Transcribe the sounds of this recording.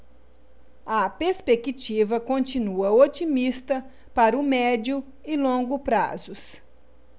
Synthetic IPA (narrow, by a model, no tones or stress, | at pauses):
ɐpeɾspekit͡ʃivɐkõt͡ʃinuɐot͡ʃimist̪ɐ | paɾʊmɛd͡ʒʊ | ɪlõɡʊpɾa̰zʊs